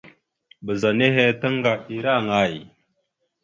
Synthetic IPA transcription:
bə˨za˨ne˦ɦe˦ta˦ŋɡa˨i˨ɾa˦˨ŋa˦˨j

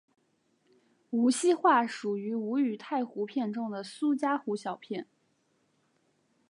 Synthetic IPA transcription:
u˧˥ɕi˥xwa˥˩ʂu˨˩y˧˥u˧˥y˨˩t̪ʰa˥˩ɪxu˧˥pʰjɛ˥˧nʈ͡ʂʊ˥ŋd̪ə˨su˥t͡ɕja˥xu˧˥ɕjɑ˨˩ʊpʰjɛ˥˩n

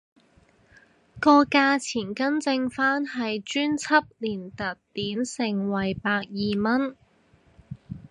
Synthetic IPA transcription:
kɔː˧kaː˧t͡sʰiː˨˩nkɐ˥nt͡sɪ˧ŋfaː˥nɦɐ˨jt͡ʃyː˥nt͡sʰɐ˥p̚liː˨˩nt̪ɐ˨tt̪iː˨˥msɪ˨ŋwɐ˨˩jpaː˧k̚jiː˨mɐ˥n

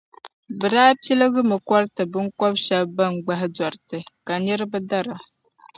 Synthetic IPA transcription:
bɨ˨daː˦pi˦lɨ˦ɡɨ˦mɨ˨kɔ˦ɾɨ˦tɨ˨bɨ˦ŋ˦kɔ˦bʃɛ˦bba˦ŋ˨ɡ͡ba˦ɦɪ˦dɔ˨ɾɨ˨tɨ˨ka˨nɛ˦ɾɨ˦bɨ˦da˦ɾa˨

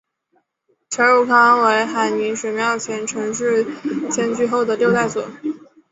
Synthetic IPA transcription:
t͡ɕʰɛ˧˥nɻu˧˨˩kʰɑ˥ŋwe˧˥ɪxa˧˩ɪni˧˥nʂɻ̩˨˩mjɑ˥˩ʊt͡ɕʰjɛ˧˥nʈ͡ʂʰɤ˧˥ŋʂɻ̩˥˩t͡ɕʰjɛ˧˥nt͡ɕy˥˧xo˥˩ʊd̪ə˩ljo˥˧t̪a˥˩ɪswɔ˨˩˦

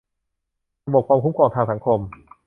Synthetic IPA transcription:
ɾa˧bo˨˩p̚kʰaː˧mkʰu˦˥mkʰɔː˧ŋt̪ʰaː˧ŋsa˩˦ŋkʰo˧m

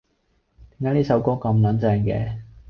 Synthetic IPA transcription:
t̪i˨˥ŋkaː˨˥t̪iː˥sɐ˨˥wkɔː˥kɐ˧mlɐ˨˥nt͡sɛː˧ŋkɛ̰ː˧

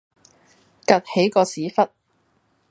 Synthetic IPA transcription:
kɐ˨t̚he˨˥jkɔː˧siː˨˥fɐ˥t̚

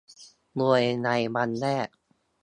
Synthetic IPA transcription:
mu˧˩əjna˧jma˧nːɛː˥˩k̚

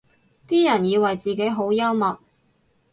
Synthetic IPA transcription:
t̪iː˥jɐ˨˩njiː˨˧wɐ˨˩jt͡siː˨ke˨˥jɦo˨˥wjɐ˥wmɐ˨t̚

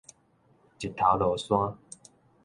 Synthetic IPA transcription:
t͡ɕi˨˩t̪ʰa˨˥lo˨˦swa˦

